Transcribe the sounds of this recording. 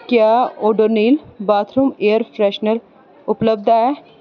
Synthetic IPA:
kjaoːɖoɾniːlbaːt̪ʰɾumeːəɾfɾɛːʃnəɾ | ʊpləbd̪aɦɛ

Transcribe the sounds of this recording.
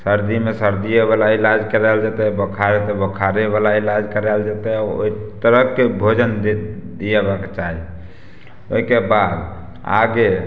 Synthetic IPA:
səɾd̪imesəɾd̪ijebalailad͡ʒkəɾɛld͡ʒat̪ɛbəkʰaɾet̪ɛbəkʰaɾebalailad͡ʒkəɾɛld͡ʒat̪ɛao̰it̪əɾəɦkːebʱod͡ʒənd̪d̪ijebaket͡ʃaɦi | oikebad̪ | a̰ɡe

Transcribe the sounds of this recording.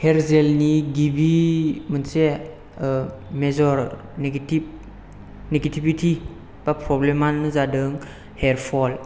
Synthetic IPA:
heɾzelniɡibimənse | mezɔɾ | neɡtip̚ | neɡetʰibitʰi | b̥apɾɔblemanːɯzadɯŋ | heɾpʰɔl

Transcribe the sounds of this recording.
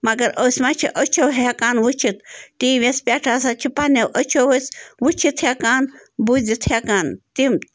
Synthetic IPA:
mɐɡɐɾəːsʲmat͡ʃʰiʔət͡ʃʰowɦekaːnʋut͡ʃʰit̪tiːʋʲespʲaʈʰasat͡ʃʰipanɐwʔət͡ʃʰowəsʋut͡ʃʰit̪ʰhekaːnbud͡zit̪hekaːnt̪im

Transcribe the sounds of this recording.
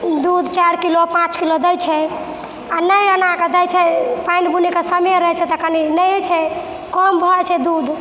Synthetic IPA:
d̪ud̪ʱt͡ʃaɾkilopãt͡ʃkilod̪əjt͡ʃʰɛ | anəjənaked̪əjt͡ʃʰɛpajnbunikesəmeɾəɦɛt͡ʃʰɛt̪ɔkəninət͡ʃʰɛ | kɔmbʱɔt͡ʃʰɛd̪ud̪ʱ

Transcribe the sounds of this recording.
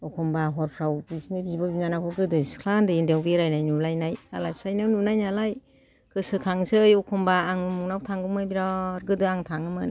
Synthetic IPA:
ɔkʰɔmbaɦɔɾpʰɾawbisinɯbizibabinanakʰɔɡɯdɯskʰlandɯendewbeɾajnajnulajnaja̰lasajnɯnunajnalaj | kʰɯsɯkʰaŋsɯjɔkʰɔmbaːŋɯmuŋnawtʰaŋɡɯmɯbiɾaɾɡɯdɯaŋtʰaŋɯmɯn

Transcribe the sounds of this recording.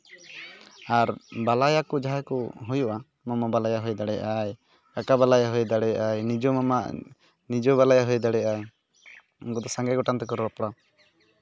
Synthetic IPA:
aɾbalajakɔd͡ʒaɦakɔɦujuʔa | mɔmabalajaɦujd̪aɽɛjʔaj | kakabalajaɦujd̪aɽɛjʔajnid͡ʒɔmama | nid͡ʒɔβalajaɦujd̪aɽɛjʔaj | ɡɔd̪ɔsaŋɡɛɡɔʈant̪ɛkɔɾɾɔpɔɽa

